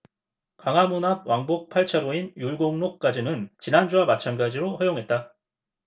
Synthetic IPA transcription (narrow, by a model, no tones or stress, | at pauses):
kaŋɦamunɦab̚waŋbok̚pʰaɭt͡ɕʰaɾoinjuɭɡoŋnok̚k͈ad͡ʑinɯnt͡ɕinand͡ʑuamat͡ɕʰanɡad͡ʑiɾoɸajoŋɦe̞t̚t͈a